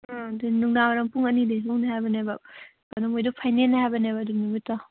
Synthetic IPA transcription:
dinuŋnamɐɾɐŋpuŋɐnidelɔŋnɐɦajbɐnebɐ | kɐnɐmojdupʰajnenɐɦajbɐnebɐːdunumitːɐ

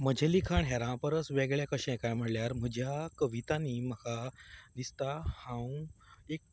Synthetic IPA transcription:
m̤əd͡ʑʱɛ̃likʰaɳɦɛɾãpəɾəsʋeɡɭjakəɕɛ̃kajm̤əɽljaɾm̤əd͡ʑʱjakəʋit̪aniːməkad̪ist̪ahãw̃ek̚

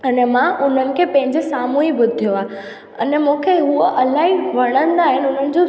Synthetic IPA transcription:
ɐnɛmãʊn̤ənɪ̆kʰeːpɐ̃ɦɪ̃ɲd͡ʑesaːmuibʊd̪ʱijoaː | ənɛmũkʰeɦuoʔɐlaːɦiʋɐɽ̃ə̃nd̪aːɦɪnɪʊn̤ənɪ̆d͡ʑo

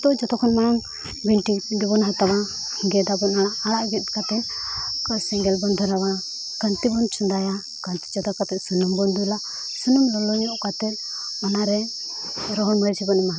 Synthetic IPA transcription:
t̪ɔd͡ʒɔt̪ɔkʰɔnmaaŋ | biɳʈiɡɛbɔnɦat̪aβa | hiŋɡɛd̪abɔnaɽaaɽaʔɡɛt̪̚kat̪ɛnkasɛŋɡɛlbɔnd̪ʱɔɾaβa | ɡ̥ənt̪ibɔnt͡ʃʰund̪aja | kənt̪i̥t͡ʃɔd̪akat̪ɛt̪̚sunumbɔnd̪ula | sunumlɔlɔɲɔʔkat̪ɛt̪̚ | ɔnaɾɛ | ɾɔɦɔnməjt͡ʃʰibɔnama

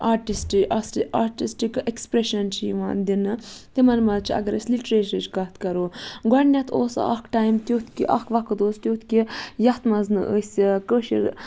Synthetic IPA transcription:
aːʈisʈasaːɾʈisʈikekspɾeʃɐnt͡ʃʰijiʋa̰ːnd̪inɨt̪imɐnmɐt͡ʃʰiɐ̰ɡɐɾə̰sʲliʈɾeːʃɐt͡ʃkɐt̪kɐɾoːɡɐɾnʲɐt̪ʰoːsa̰ʔɐkʈaːjmt̪ʲjuːt̪ʰkʲiʔɐkʰʋɐkʰd̪oːst̪ʲjut̪ʰkʲijɐht̪mɐznɨʔəsʲikəːʃḭɾ

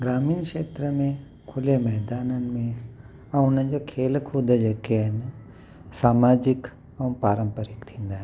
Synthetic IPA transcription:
ɡɾaːmiːnkʃeːt̪ɾəmẽ | kʰʊlemɛɦd̪aːnənmẽ | ɐʊnẽd͡ʒokʰeːlkʰuːd̪əd͡ʒɐkeɦɛn | saːmaːd͡ʒɪk | ɐ̃paːɾəmpəɾɪkt̪ʰĩːnd̪aɦ

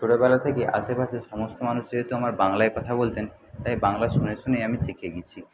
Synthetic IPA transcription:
ʃoɽobɛlat̪ʰekeʔa̰ʃepaʃʰeʃɔmost̪omanuʃd͡ʑeɦet̪uamaɾbaŋlaeɾkɔt̪ʰabolt̪en | t̪ajbaŋlaʃuneɾʃonejamiʃikʰeɡit͡ɕʰi

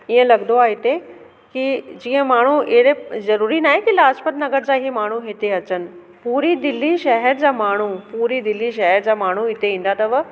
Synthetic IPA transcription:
iːə̃lɐɡnd̪oaːɦɪt̪e | kid͡ʑĩːə̃maːɳ̤uiɦdezɐɾuːɾinaːɦẽkilaːd͡ʑpət̪nɐɡəɾd͡ʑaːɦemaːɳ̤uɦet̪eɐt͡ɕənɪ̆ | puːɾid̪ɪlːiʃɛɦəɾd͡ʑaːmaːɳ̤upuːɾid̪ɪlːiʃ̬ɛɦəɾd͡ʑaːmaːɳ̤uɪt̪eʋĩːn̆d̪at̪ɐʋ

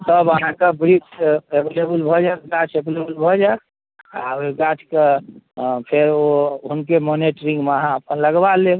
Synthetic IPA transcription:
t̪əbəɦãkebɾikt͡ʃebelebəlbʱɔd͡ʒak̪ɡat͡ʃebelebəlbʱɔd͡ʒak | aɡat͡ʃʰke | pʰeɾoɦunkemoniʈɾĩŋɡməɦãəpənləɡbale

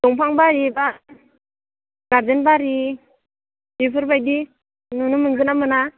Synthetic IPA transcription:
dɔŋpʰaŋbaɾiba | ɡaɾdenbaɾi | bipʰɯɾbajdi | nunɯmɯŋzɯnamɯna

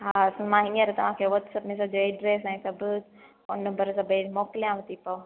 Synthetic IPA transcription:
ɦaːsnmãɦɪ̃nəɾt̪ɐʋ̤ãkʰeːʋɔt̪sɐpmẽsɐbʱd͡ʑoeːɖɾeːsɛ̃ːsɐb | konnə̃mbəɾsɐbemɔːkɪlijãʋɐt̪ipɐo

